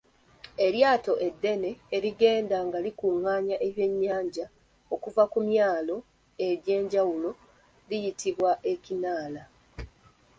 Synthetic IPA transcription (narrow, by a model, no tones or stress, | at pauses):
e̞ljaːto̞ʔe̞dːe̞neːɾiɡe̞ːndaŋɡalikuːŋaːɲaʔeβje̞ɲːaːɲɟa | o̞kuvakumjaːlo̞ | e̞ɾe̞ːɲɟawulo̞ | lijitiβwaʔe̞cinaːla